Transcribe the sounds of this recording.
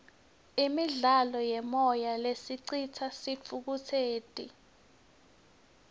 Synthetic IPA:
imiɮalɔjɛmɔjalesiǀitʰasifʰuk̬utʰeːd̥ʼʱḭ

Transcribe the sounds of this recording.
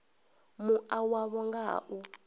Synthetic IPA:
muawaβɔŋɡa̰ːʔu

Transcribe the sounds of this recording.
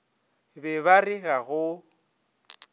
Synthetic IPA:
bɛbarɪɣaɣʊ

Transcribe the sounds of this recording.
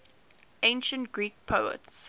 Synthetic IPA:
ẽɪ̃nʃə̃ntɡ̥ɹiːk̚pʰəʊə̰ts

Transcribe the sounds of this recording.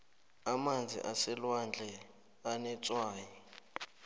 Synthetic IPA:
amand͡zʱḭʔasɛlwand͡ɮʱɛ | anɛt͡sʼwaːjɛ

